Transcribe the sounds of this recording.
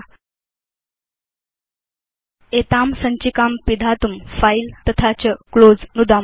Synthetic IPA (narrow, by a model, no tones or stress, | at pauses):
et̪amsəɲt͡ɕikampid̪ʱat̪umfailt̪ət̪ʰat͡ɕəkɭod͡znud̪a